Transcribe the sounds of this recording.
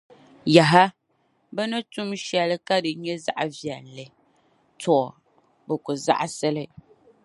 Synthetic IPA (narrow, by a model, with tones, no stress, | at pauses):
ja˨ɦa˦ | bɛ˦nɨ˦tu˦mʃɛ˨lɨ˦ka˦dɨ˨ɲɛ˦za̰˦ʔa˨vjɛ˨n˨lɨ˨ | tɔ˦˨ | bɨ˨kʊ˨za̰˦ʔa˦sɛ˦lɨ˦